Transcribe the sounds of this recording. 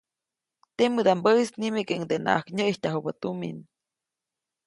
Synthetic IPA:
t̪emɨd̪ambəisnimekeŋd̪ena̰ʔakɲəʔjhtaɦubət̪umḭn

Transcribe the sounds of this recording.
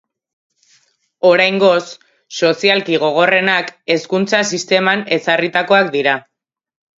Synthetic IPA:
o̞ɾajŋɡo̞sː | o̞sialkiɣ̞o̞ɣ̞o̞re̞nake̞skunt͡sasist̪e̞mane̞sarit̪ako̞akd̪iɾa

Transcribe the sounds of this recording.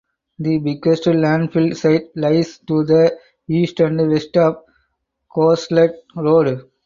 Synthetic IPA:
d̪ibikesʈəllæ̃ɳɖfɪlseɪʈ̚laɪsʈud̪ə | iːsʈæ̃ɳɖʋesʈɔʋ | koːsleʈ̚ɾoːɖ

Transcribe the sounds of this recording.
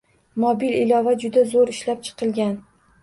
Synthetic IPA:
mobilɪlɒvad͡ʒʊd̪azoɾɪʃlap̚t͡ʃʰɨ̥qʰɨlˠɡʲan

